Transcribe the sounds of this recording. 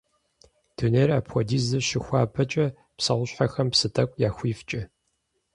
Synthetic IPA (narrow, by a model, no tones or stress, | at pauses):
d̥ʰuneːra̰ːpxʷɔdiːzɨɕɪxʷaːpʰɐt͡ʃʼɐ | psɐʁʷʊɕħaxɐmpsɨtʰɐkʷʼjaːxʷiːft͡ʃʼɐ